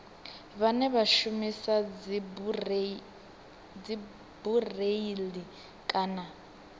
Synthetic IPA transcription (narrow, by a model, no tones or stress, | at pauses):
βanɛβaʃumisa | d͡zi | bureili | kʼaːna